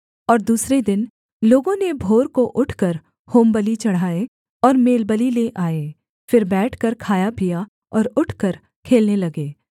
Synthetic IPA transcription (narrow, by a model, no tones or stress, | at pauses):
ɔːɾd̪uːsɾed̪ɪn | loːɡõnebʱoːɾkoʔʊʈʰkɐɾ | hoːmbəlit͡ʃɐɽ̤aːe | ɔːɾmeːlbəlileʔaːeː | fɪɾbɛːʈʰkɐɾkʰaːjapija | ɔːɾʊʈʰkəɾ | kʰeːlnelɐɡeː